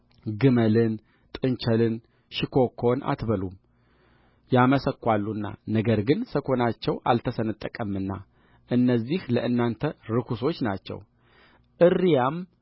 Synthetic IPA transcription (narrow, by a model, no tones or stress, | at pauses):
ɡɨməlɨn | t̪ʼɨnt͡ʃəlɨn | ʃɪkʰo̞kʰːo̞nʔa̰t̪bəlum | jaməsəkːʷalːunːa̰nəɡəɾɡɨnsəkʰo̞nat͡ʃːɛwʔa̰lt̪ʰəsənɨt̪ʼːəkʼəmːɨnːa̰ | ʔɨnːəzːihləʔɨnːant̪ʰəɾɨkʰuso̞t͡ʃːnat͡ʃːɛ̰w | ʔɨrːijam